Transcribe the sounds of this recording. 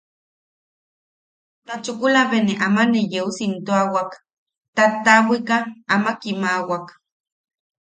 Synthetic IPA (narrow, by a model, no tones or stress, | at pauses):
t̪at͡ʃukulaβeneʔamanejeusint̪oawak | t̪at̪ːawikaːmakimawak